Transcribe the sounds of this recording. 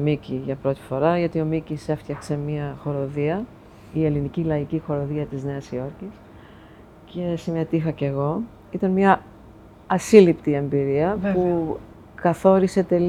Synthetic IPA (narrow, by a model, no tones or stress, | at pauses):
miciʝɐpɾo̞t̪i̥fo̞ɾɐʝɐt̪io̞micise̞ft̪çɐkse̞miɐxo̞ɾo̞ðiɐ | ie̞linicilɐicixo̞ɾo̞ðiɐt̪izne̞ɐsio̞ɾcis | ce̞sime̞t̪ixɐce̞ɣo̞ | it̪ɐnmɲɐː | silipt̪ie̞mbiɾiɐpu | kɐθo̞ɾise̞t̪e̞l